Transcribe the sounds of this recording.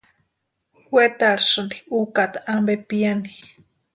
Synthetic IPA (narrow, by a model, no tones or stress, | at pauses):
hwet̪aɺasɨnd̪iukat̪aʔambepiani